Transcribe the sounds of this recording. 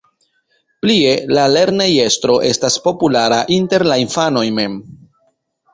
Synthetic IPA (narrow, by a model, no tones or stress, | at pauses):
plie̞lale̞ɾneje̞stɾo̞ʔe̞staspo̞pulaɾaʔinte̞ɾlainfano̞jme̞m